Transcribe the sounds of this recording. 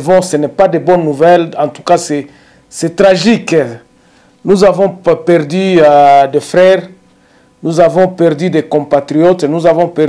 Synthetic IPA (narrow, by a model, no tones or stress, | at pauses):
vɔ̃senɛpad̪ebɔnnuvɛlɑ̃t̪u̥kasɛ | sɛt̪ʁaʒik | nuzavɔ̃pɛʁd̪yd̪efʁɛʁ | nuzavɔ̃pɛʁd̪yd̪ekɔ̃pat̪ʁiɔt̪nuzavɔ̃pɛ